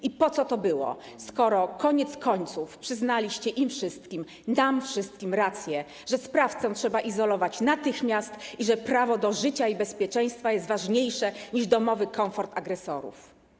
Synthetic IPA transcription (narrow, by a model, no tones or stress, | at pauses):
ipɔt̪ɔt̪ɔbɘwɔ̰ | skɔɾɔkɔɲɛt̪skɔɲt̪sufpʂɘznalʲiɕt͡ɕɛʔimfʂɘst̪kʲim | d̪amfʂɘst̪̚kʲimɾat̪sʲjɛ | ʐɛspɾaft̪sɔw̃tʂɛbaʔizɔlɔvat͡ɕnat̪ɘxmʲjast̪iʐɛpɾavɔd̪ɔʐɘt͡ɕaibɛspʲjɛt͡ʂɛj̃st̪fajɛst̪vaʐɲejʂɛɲiʐd̪ɔmɔvɘkɔwfɔɾt̪aɡɾɛsɔɾṵf